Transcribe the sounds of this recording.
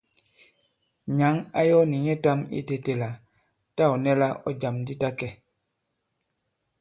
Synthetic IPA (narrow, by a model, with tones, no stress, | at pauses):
ɲa˨˦ŋa˦jɔ˦ni˨ɲɛ˦ta˦mḭ˦te˨te˨la˨ | ta˦ɔ˨nɛ˦la˦ɔ̰˦d͡ʒa˨mdi˦ta˦kɛ˨